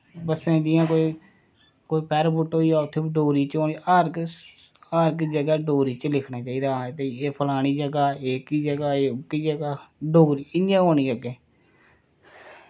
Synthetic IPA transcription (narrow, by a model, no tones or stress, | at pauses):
bəsẽd͡ʒɪjãːkoːiː | koːiːpɛːɾbʊʈɦoːiːaːʊt̪ʰːeːbiɖoːɾiːt͡ʃoːniaːɾk | aːɾkiːd͡ʒəɡaːɖoːɾiːt͡ʃəlɪkʰnaːt͡ʃaːiːd̪aːt̪eeːpʰəlaːɽ̃iːd͡ʒəɡaːeːkiːd͡ʒəɡaːeːʊkːiːd͡ʒəɡaːɖoːɾiːɪnãːoːñiːd͡ʒəɡɛː